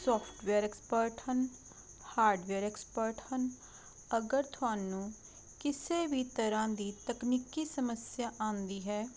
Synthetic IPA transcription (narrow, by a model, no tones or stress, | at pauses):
sɔːpʰʈʋeːɾeːkspəɾʈhən | haːɾɖʋeːɾeːkspəɾʈhən | əɡəɾt̪ʰʊaːnũː | kɪseːbiːt̪əɾãːd̪iːt̪əkniːkiːsəməsjaːʔãːnd̪iːɦɛː